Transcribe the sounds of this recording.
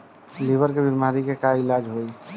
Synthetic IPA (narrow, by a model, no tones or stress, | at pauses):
libəɾkebimaɾikekailad͡ʒɦoj